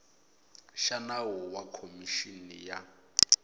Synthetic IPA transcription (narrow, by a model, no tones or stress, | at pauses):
ʃanawɔwakʰomiʃinija